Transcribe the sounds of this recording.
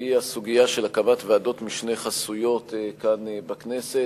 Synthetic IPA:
iasuɡijaʃe̞lakabatveado̞t̪miʃne̞jχasujo̞t̪ekanbaknese

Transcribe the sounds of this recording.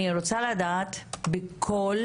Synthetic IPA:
iɾot͡salad̪aːt̪bekʰol

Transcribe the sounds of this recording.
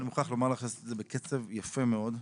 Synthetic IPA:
nimuχaχlomaʁlaːχnisetzebeket͡sevjafemeod

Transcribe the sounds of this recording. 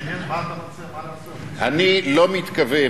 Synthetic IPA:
ʔanilomit̪kave

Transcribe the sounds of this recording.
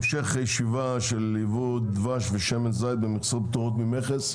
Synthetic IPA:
mʃeχajʃiva | ʃelːivud̪vaʃveʃemenzajd̪̚bemiχsob̚t̪uʁot̪mimeχes

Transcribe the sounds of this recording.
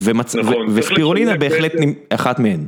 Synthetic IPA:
vemat͡svvespiʁolinabeːχlet̪nimaχat̪mehen

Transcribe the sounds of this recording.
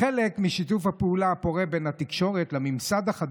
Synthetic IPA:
elekmiʃit̬ufhapeulaːpo̞ʁebe̞nhat̪ikʃo̞ʁet̪lemimsad̪haχad̪

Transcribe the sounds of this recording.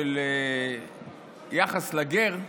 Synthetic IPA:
ele | jaχaslaɡeʁ

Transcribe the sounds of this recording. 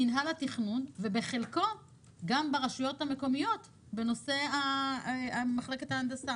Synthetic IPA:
inɦalatiχnunve̞be̞χe̞lko̞ | ɡambeʁaʃujo̞thame̞ko̞mijo̞t | be̞no̞se̞a | amaχle̞ke̞thaːndasa

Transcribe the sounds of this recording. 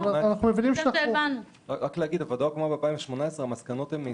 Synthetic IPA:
aanaχnumevinimʃeanavanu | ʁakleaɡid̪avad̪ajkmabeapaimveʃmo̞naesʁeamaskanot̪heme

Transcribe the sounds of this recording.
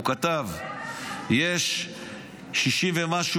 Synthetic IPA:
kat̪av | jeʃ | ʃiʃimvemaʃu

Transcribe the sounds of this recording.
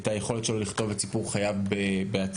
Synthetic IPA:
tajeχo̞letʃeloliχt̪o̞vett͡sipuʁχajavbebeat͡s

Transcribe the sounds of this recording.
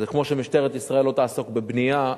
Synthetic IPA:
zekmo̞ʃemiʃt̪eʁet̪isʁae̞lot̪aːso̞kbebnija

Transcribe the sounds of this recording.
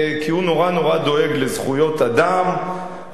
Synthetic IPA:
kiuno̞ʁanoʁad̪o̞e̞ɡlezχujo̞t̪ad̪am

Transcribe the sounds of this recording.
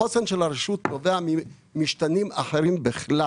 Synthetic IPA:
osenʃelaɾeʃut̪ːoveami | miʃtanimaħeɾimbeχla

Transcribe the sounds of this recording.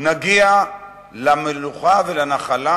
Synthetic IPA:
naɡia | lameluχavelanaχala

